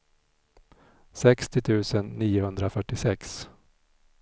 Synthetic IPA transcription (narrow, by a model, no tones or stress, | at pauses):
sɛkst̪ɪt̪ʰʉ̟ːsənːiːʊhɵnd̪ɾafœʈːɪsɛks